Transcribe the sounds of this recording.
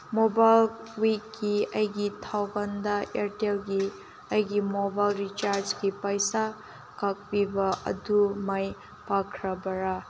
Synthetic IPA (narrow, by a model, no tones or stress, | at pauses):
mobajl | wikːiɐjɡitʰawbɐndɐeɾtelɡi | ɐjɡimobajlɾit͡ʃaɾd͡ʒɡipɐjsa | kɐk̚bibɐʔɐ̰dumɐj | pakʰɾɐbɐɾa